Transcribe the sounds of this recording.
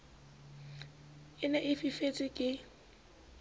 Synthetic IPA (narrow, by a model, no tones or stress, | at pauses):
ɪnɛʔɪfifet͡sʼɪkʼɪ